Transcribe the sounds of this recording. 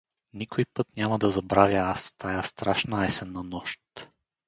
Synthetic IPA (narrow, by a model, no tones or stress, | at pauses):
nikʰojpɤt̪nʲjamɐd̪ɐzɐbɾavʲjɐast̪ajast̪ɾaʃnaɛsɛnːɐnɔʃt̪